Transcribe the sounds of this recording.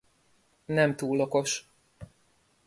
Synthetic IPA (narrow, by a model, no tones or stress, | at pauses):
nɛmt̪uːlːoko̞ʃ